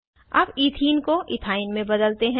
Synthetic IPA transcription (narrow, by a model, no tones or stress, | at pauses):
ɐbiːt̪ʰiːnkoʔɪt̪ʰaːɪnmẽbɐd̪əlt̪eɦɛ̃